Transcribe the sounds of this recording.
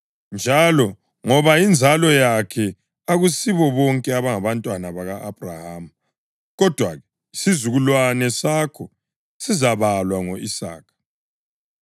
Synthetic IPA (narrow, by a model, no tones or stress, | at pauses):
nd͡ʒʱalɔ | ŋɔβaind͡zʱalɔjakʰɛ | aɣusiβɔβɔŋkʼɛaβaŋaβantʼwanaβaɣaʔab̥ʱrahaːm̩ | ɣɔd̥ʱwa̰ɣɛ | sizuɣulwanɛsakʰɔ | sizaβalwaŋoisa̰ːkʰḁ